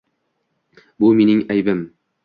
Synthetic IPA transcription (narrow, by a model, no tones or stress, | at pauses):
bʊminɪŋæjbɪm